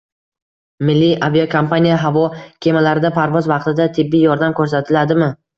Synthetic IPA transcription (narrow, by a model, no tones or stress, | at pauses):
mɪlːiʔaviokʰompanijaɦavɒkʲʰe̞malaɾɪd̪apʰaɾvɒzvɑq̚t̪ʰɪd̪at̪ʰɪbːɪjɒɾd̪amkʰɵɾs̬at̪ʰɪlad̪ɪmɪ